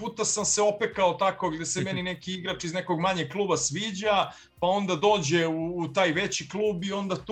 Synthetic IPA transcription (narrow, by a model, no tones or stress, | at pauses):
puːt̪asamseo̞pekao̞t̪ako̞ɡd̪je̞semeninekiiɡɾat͡ʃizneko̞ɡmaɲeklˠuːbasʋiːd͡ʑa | pao̞nd̪ad̪o̞ːd͡ʑeuːt̪aːjʋe̞t͡ɕiklˠuːbio̞nd̪at̪